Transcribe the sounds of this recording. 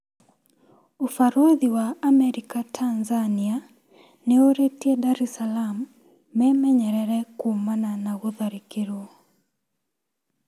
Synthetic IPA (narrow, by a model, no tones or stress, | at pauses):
ufaɾoðiwaamɛɾikatʰanzania | neoɾetiɛdaɾɛsalamː | ɛmɛɲɛɾɛɾɛkuːmananaɣuðaɾikiɾwɔ